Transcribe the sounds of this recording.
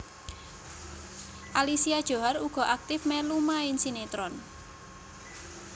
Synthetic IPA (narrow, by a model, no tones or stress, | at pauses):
ʔalisiad̥ʒ̥o̤ɦaɾuɡ̥ɔ̤ʔak̚t̪ɪfmɛlumaɪnsinet̪ɾɔn